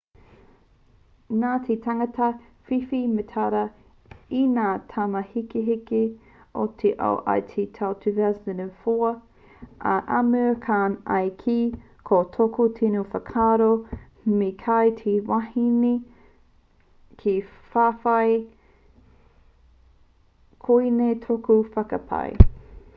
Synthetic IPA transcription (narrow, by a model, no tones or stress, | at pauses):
naːt̪ʰetʰaŋɐtɐ | fifimetʰaɾɐ | inaːt̪ʰamɐhikeɦike | o̰t̪ʰeʔa̰wʔa̰jt̪ʰet̪ʰawt̪ʰyvɛzənefoɐ | ʔɐ̰ʔamøkʰaːnɐ̰jkʰi | kʰotʰokutʰinufɐkʰaːɾo | mekʰajtʰewahini | kʰefaːfɐj | kʰoinetʰokufɐkɐpʰa̰j